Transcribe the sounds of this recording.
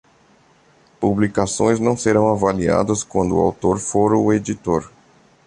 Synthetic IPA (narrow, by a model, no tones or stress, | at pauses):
publikasõ̰j̃znɐ̃w̃seɾɐ̃w̃avalia̰d̪ɐskwɐ̃nd̪ʊa̰wt̪oɾfoɾʊed͡ʒit̪oɾ